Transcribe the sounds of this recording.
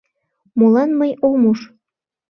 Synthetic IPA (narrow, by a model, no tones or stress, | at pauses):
mulɑnməjomuʃ